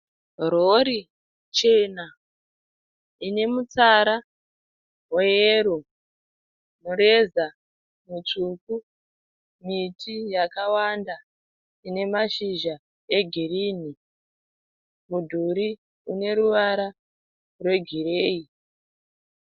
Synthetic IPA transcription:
roɾi | t͡ʃe̞na | ine̞mut͡saɾa | weeɾo | muɾe̞za | mut͡ʂuku | mitijakawanda | ine̞maʃiʒa | eɡʱiriːni | mudʱuɾi | une̞ɾuʋaɾa | rwe̞ɡʱireːi

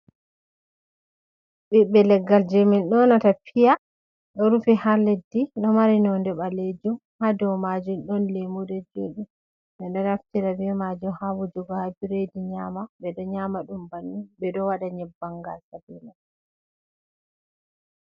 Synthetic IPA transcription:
bɛɓɛlɛɡːald͡ʒeminɗɔnɔtapʰija | ɗɔɾufihaledːinɔmaɾinɔndɛɓaled͡ʒumhadɔwmad͡ʒunɗɔnlemudɛd͡ʒo̰ːɗi | ɓɛnɔɾaftiɾabimad͡ʒɔhawud͡ʒɔɡɔhabiɾediɲaːmaɓɛɗɔɲamaɗumbanːubɛɗɔwaɗaɲɛbːaŋɡa̰lsabina

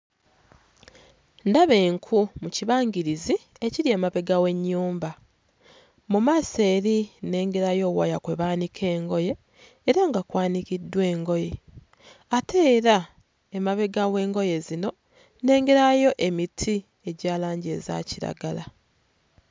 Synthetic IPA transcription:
ndaβe̞ːŋkʰumuciβaːŋɡiɾizi | e̞ciɾie̞ːmaβe̞ɡawe̞ɲːuːmba | mumaːse̞ːɾine̞ːŋɡeɾajo̞ːwajakwe̞βaːnikʰe̞ːŋɡo̞je̞ː | ɾaŋɡakwaːnikidːwe̞ːŋɡo̞je̞ | atʰe̞ːɾa | emaβe̞ɡawe̞ːŋɡo̞je̞zino̞ | ne̞ːŋɡeɾajo̞ʔe̞mitʰi | e̞ɟaːlaːɲɟe̞̰ːza̰ciɾa̰ɡala

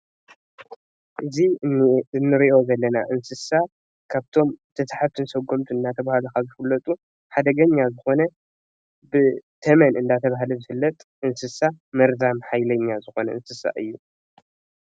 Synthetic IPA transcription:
ʔɨziɨnːɨɾiʔo̞zɐlːɐna̰ʔɨnsɨsa | kʰaβt̪ʰo̞mt̪ʰɐt̪ʰħat̪ʰɨnsɐɡːomt̪ʰuɨndat̪ʰɐβahalukazɨfɨlːɐt̪ʼu | ħad̪ɐɡɐɲːazɨxo̞nɐ | bɨt̪ʰɐmɐnɨnd̪at̪ʰɐβaɦluzɨhɨlːɐt̪ʼʔɨnsɨsamɐɾzamħajlɐɲːazɨxo̞nɐʔɨnsɨsa̰ʔɨ̰jːu

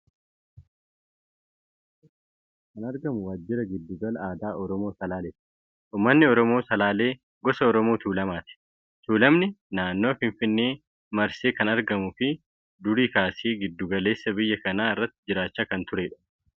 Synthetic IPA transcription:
kɐnɐɾɡɐmʊwaːd͡ʒːɪɾɐɡɪd̪ːʊɡɐlɐaːd̪aːʔɔɾɔmo̞ːsɐlaːleːt̪ɪ̥ | ʔuːmːɐnːɪɔɾɔmoːsɐlaːle̞ː | ɡɔsɐɔɾɔmoːt̪uːlɐmaːt̪ɪ̥ | t̪uːlɐmnɪnaːnːo̞ːfɪɱfɪnːeː | mɐɾseːkɐnɐɾɡɐmʊfɪ | d̪ʊɾiːkaːseːɡɪd̪ːʊɡɐle̞ːsːɐbɪjːɐkɐnaːɪrːɐt̪ːɪd͡ʒɪɾaːt͡ʃːaːkɐnt̪ʊɾeːᶑɐ̥

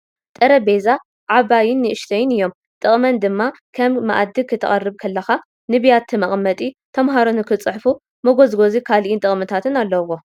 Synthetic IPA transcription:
t̪ʼɐɾɐbe̞za | ʕaβajɪnːɨʔɨʃt̪ʰɐjɪnɨjːo̞m | t̪ʼɨχʼmɐnd̪ɨmːa | kʰɐmːɐ̰ʔad̪ːɨkʰɨt̪ʰːɐ̰χʼɐrːɨβkʰɐlːɐxa | nɨβijat̪ʰːɨmɐχʼmːɐt̪ʼit̪ʰɐmɦaɾonɨkʰɨt͡sʼɨħfu | mɐɡo̞zɡo̞zikʰalʔɪnt̪ʼɨχʼmɨt̪ʰat̪ʰɨnalːɐwo

